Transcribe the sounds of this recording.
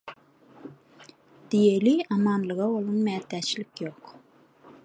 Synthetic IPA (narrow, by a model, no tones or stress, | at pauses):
d̪̥ijeliɑmɑnlˠəʁɑolˠunmɛːt̪ːɛt͡ʃlɪkʲjoq